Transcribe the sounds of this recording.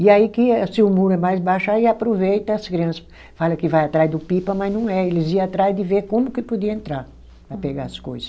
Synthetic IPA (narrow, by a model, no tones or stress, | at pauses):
ɪaikɪsɪʊmuɾʊɛmajzbaʃʊaiapɾovejt̪ɐɐskɾiɐ̃sɐ̥ | falɐkɪvajat̪ɾazd̪ʊpipɐmɐznɐ̃w̃ɛelɪziɐat̪ɾazd̪ɪveɾkõmʊkɪpod̪iɐẽnt̪ɾaɾ | pɾɐpeɡaɐsko̰jzɐs